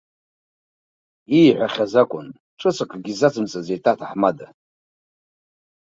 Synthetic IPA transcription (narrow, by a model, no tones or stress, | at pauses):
ijħʷaχʲazakʷʼʊn | ʈ͡ʂʷʼɨt͡sʰʼakʷʰʼaɡʲizat͡sʰʼɨmt͡sʼazejtʼatʰaħmada